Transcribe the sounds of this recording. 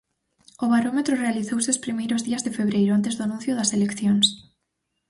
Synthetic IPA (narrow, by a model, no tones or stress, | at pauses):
ʊβaɾomet̪ɾʊrealiθowseospɾimejɾʊzðiɐzðɪfeβ̞ɾejɾʊant̪ezðʊanũnθjʊðɐselekθjoŋs